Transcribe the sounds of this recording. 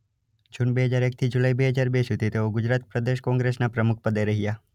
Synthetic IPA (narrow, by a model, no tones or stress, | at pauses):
d͡ʒʊnbeɦəd͡ʒaːɾeːk̚t̪ʰid͡ʒʊlaibeɦəd͡ʒaːɾbeːsɦʊt̪it̪eɦoɡʊd͡ʒɾaːt̪̚pɾəd̪eʃkɔ̃ːŋɡɾesnapɾəmʊk̚ʰpəd̪eɾəɦɪja